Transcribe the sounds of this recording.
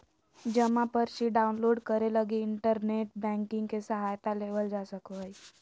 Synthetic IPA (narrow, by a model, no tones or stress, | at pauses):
d͡ʒəmãpəɾʃiɖaːunloːɖkəɾeləɡeɪɳʈəɾneːʈbɛ̃ŋkɪ̃ŋɡkesəɦajt̪aleːʋəld͡ʒasəkəj